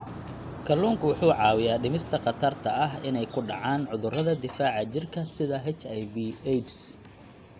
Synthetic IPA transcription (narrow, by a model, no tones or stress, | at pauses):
kʰɐluːŋkʰʊwʊħuːʕɑːwɪjaːɖɪmɪst̪ʰɐqɑt̪ʰɐrt̪ʰɐɐɦɪnɛjkʰʊɖɑ̰ʕaːnʕʊðʊrɐðɐd̪ɪfaːʕɐt͡ʃɪrkʰɐsɪðɐɦɛt͡ʃɐjviɛjt͡ʃs